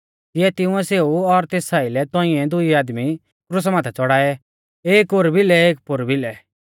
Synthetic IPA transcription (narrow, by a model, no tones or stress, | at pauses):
t̪ɪjɛt̪ɪ̃ʊ̃ɛ̃seːuɔɾt̪eːsaːɪlɛt̪ɔ̃ɪ̃ɛ̃d̪ʊiaːd̪mi | kɾʊs̬mãːt̪ʰat͡sɔɽaːɛ | eːkoɾbɪlɛeːk̚pʊɾbɪlɛ